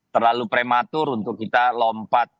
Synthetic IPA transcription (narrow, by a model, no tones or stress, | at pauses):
t̪ərlalupɾemat̪ʊɾunt̪ʊkːit̪alɔmpat̪̚